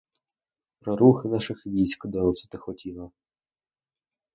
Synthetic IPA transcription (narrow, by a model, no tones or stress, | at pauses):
pɾɔɾuxɪnɑʃɪxʋʲijsʲkɔd̪ɔsɪ̥t̪ɪxɔtʲilˠɐ